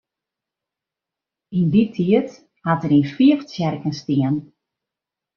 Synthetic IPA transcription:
inditʰiət | hatəɾinfiəft͡sjɛrkənstiən

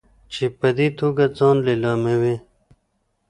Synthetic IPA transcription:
t͡ɕipəd̪it̪ʰuɡat͡sɑːnlelɑːmewe

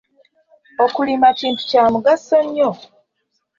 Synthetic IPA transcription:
okulimaciːntu̥caːmuɡasoɲːo

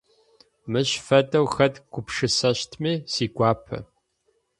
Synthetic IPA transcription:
mɨɕfɐdɐwxɐdɡʷʊpʂɨsɐɕtʰmeːsiːɡʷɑːpʰɐ̰

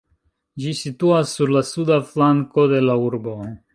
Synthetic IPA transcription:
d͡ʒisituasːuɾlasudaflaŋko̞de̞lauɾbo̞

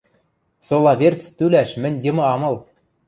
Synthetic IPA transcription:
solˠɑvʲert͡st̪ylʲæʃmɘ̆nʲjɤ̆mɤ̆ɑmɤ̆lˠ

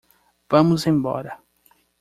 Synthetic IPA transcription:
v̥ɐ̃mʊzẽj̃bɔ̰ɾɐ

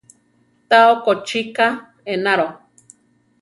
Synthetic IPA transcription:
t̪aokot͡ʃika | enaɾo

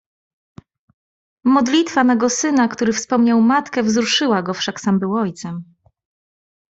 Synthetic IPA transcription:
mɔd̪lʲit̪fanɛɡɔsɘnakt̪uɾɘfspɔmɲawmat̪kɛvzɾuʂɘwaɡɔfʂaksambɘwɔjt̪sɛm

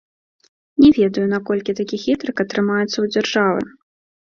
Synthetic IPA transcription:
nʲɛvʲɛd̪ɐjunakɔlʲkʲit̪akʲixʲit̪ɾɨkɐt̪ɾɨmajut̪sːɐwd͡zʲarʐavɨ̰

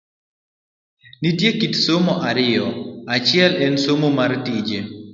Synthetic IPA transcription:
nitjekitsomoʔaɾɪjɔat͡ʃɪɛlɛnsomomartid͡ʒe

